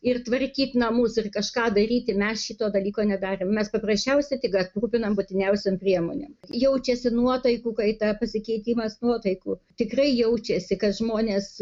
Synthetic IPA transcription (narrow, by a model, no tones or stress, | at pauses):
ɪrt̪ʋɐrʲkʲiːt̪nɐmʊsɪrkɐʃkɑːd̪ɐɾʲiːt̪ʲɪmʲɛsʃʲit̪oːd̪ɐlʲiːkoːnʲɛd̪ɑːɾʲeːmmʲɛspɐprɐsʲt͡ʃʲɛʊsʲɛt̪ʲɪɡɐtpruːpʲɪnɐmbʊt̪ʲɪnʲɛʊsʲompʲrʲiɛmoːnʲḛːmjɛʊt͡ʃʲɛsʲɪnuɔt̪ɐɪkuːkɐɪt̪ɐpɐsʲɪkʲɛɪt̪ʲiːmɐsnuɔt̪ɐɪkuːt̪ʲɪkrɐɪjɛʊt͡ʃʲɛsʲɪkɐt̪ʒmoːnʲeːs